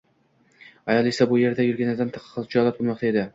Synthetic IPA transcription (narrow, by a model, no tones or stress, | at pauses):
ajɒlˠesabʊje̞ɾd̪ajʊɾɡʲanaɾd̪ant̪ʰɑ̥qʰːɑ̥qʰːɑzˠt͡ʃʰɒlˠat̪̚bʊlˠmɒq̚t̪ae̞d̪ɪ